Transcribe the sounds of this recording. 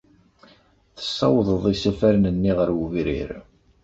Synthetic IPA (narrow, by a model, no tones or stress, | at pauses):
θə̥sːɑwðˤəðˤisæfæɾnənːiʁəɾwvɾḭɾ